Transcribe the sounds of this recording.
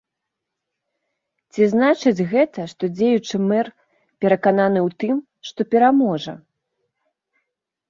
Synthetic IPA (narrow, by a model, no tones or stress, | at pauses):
t͡sʲiznat͡ʂɨd͡zʲɣɛt̪ɐʂt̪ɔd͡zʲejut͡ʂɨmɛr | pʲɛɾɐkananɨwt̪ɨm | ʂt̪ɔpʲɛɾamɔʐɐ̰